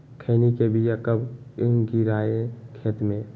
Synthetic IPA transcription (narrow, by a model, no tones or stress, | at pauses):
kʰeːnikebijakəbɡiɾaːeɛ̃kʰeːt̪mẽ